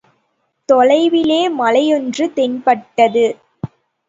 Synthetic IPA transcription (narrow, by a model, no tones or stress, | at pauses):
t̪ɔɻɐɪʋɪleːmɐlɐjɔndrɯt̪ɛɲpɐʈːɐðɯ